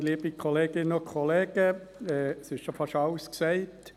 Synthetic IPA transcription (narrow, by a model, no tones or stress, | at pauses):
liːb̥ikʰɔleːɡ̥ɪnəʊkʰχɔleːɡ̥ə | ɛːsɪʃʃofɑʃɑlsksɛɪt